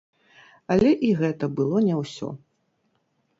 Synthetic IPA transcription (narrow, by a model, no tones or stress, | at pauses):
ɐlʲɛʔiɣɛt̪ɐbɨlˠɔnʲɛwsʲɔ̰